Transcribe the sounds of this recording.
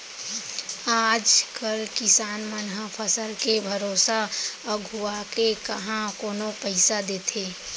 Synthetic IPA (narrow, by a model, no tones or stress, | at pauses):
aːd͡ʒkəlkɪsaːnmənɦapʰəsəlkebʱəɾoːsaɡʱuakekəɦãkoːnõpəɪsad̪eːt̪ʰeː